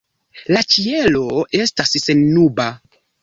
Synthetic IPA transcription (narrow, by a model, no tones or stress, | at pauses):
lat͡ʃie̞lo̞e̞stasse̞nːuba